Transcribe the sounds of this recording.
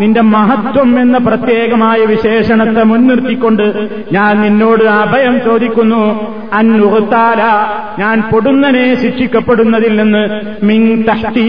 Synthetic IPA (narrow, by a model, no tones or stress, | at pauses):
ninde̞mɐɦɐt̪wɐme̞nːɐprɐt̪jeːɡɐmaːjɐʋiɕe̞ːʂɐɳɐt̪ːemunːirt̪ikʲːo̞ɳɖɨ | ɲaːnninːo̞ːɽɨɐbʱɐjɐmt͡ɕo̞ːd̪ʱikʲːunːu | ɐnurɐt̪ːaːlɐ | ɲaːnpo̞ɽunːɐneːɕiʈʂikʲːɐpːe̞ɽunːɐðilːenːɨ | miŋt̪ɐht̪i